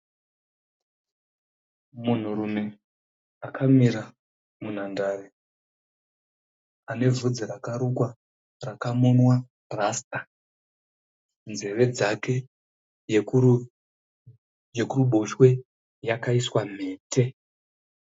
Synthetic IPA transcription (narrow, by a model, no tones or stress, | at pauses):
mun̤uɾume̞ | akʰamiɾa | mun̤andaːɾe | ane̞vud͡ziɾakaɾukwa | rakamonwa | rastʼa | nd͡ze̞re̞d͡zake | d͡ʒekuruɓo̞ʃwe̞ | jakaiswam̤e̞ːtʰe̞